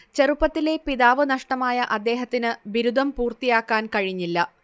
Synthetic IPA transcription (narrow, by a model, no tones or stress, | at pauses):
t͡ɕerupːɐt̪ːile̞piðaːʋɨnɐʂʈɐmaːjɐʔɐd̪ːe̞ːɦɐt̪ːinɨʋiɾud̪ʱɐmpuːrt̪ijaːkːaːnkɐɻiɲːilːɐ